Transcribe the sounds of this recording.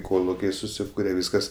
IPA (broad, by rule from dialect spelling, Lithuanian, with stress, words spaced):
ˈkoːlˠʊkʲɛɪ sʊˈsʲiːkʊrʲɛ ˈʋʲiːskɐs